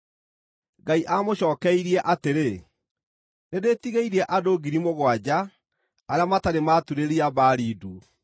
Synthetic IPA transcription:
ɡaiʔamoɕɔːkɛiɾiɛʔateɾe | nedetiɣeiɾiɛʔadoɡiɾimoɣwad͡ʑaː | ɾeamataɾematuɾeɾiabaɾiːdu

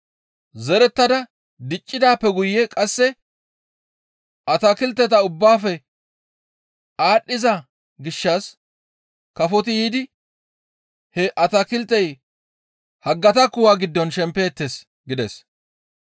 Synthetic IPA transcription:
zɛɾɛt̪ːɐd̪ɐ | d̪ɪt͡ʃʼːɪd̪aːpːɛɡʊjːɛkʼɐsːɛ | ɐt̪ɐkɪlt̪ːɛt̪ɐʊbːaːfɛ | aːɗːɪzɐ | ɡɪʃːaːs | kɐfɔt̪ɪjiːd̪ɪ | hɛʔɐt̪ɐkɪlt̪ːɛj | hɐɡːɐt̪ɐkʊwaːɡɪd̪ːɔnʃɛmpːe̞ːt̪ːes | ɡɪd̪ɛs

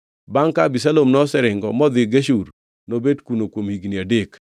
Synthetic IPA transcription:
baŋkabisalomnɔsɛɾɪŋɡɔmɔd̪ɪɡeʃuɾ | nobedkunokwomhiɡnɪadek

